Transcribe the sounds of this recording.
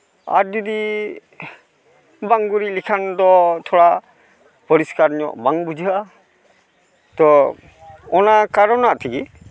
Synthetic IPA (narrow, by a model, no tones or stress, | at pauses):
a̰ɾd͡ʒud̪i | baŋɡuɾilikʰand̪ɔt̪ʰɔɽa | pɔɾiskaɾɲɔ̰ʔbaŋbud͡ʒʱua | t̪ɔ | ɔnakaɾɔnaʔt̪ʰiɡi